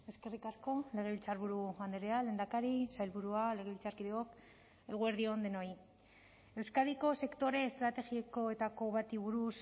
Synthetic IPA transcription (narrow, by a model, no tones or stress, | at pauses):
ewske̞rikasko̞le̞ɣ̞e̞βilt͡saɾβuɾuɣand̪eɾeale̞nd̪akaɾisajlβuɾuale̞ɣe̞βilt͡saɾkiðeok | e̞ɣ̞ue̞ɾðiond̪e̞no̞j | e̞wskaðiko̞se̞kt̪o̞ɾe̞ːst̪ɾat̪e̞ɣieko̞et̪ako̞βat̪iβuɾus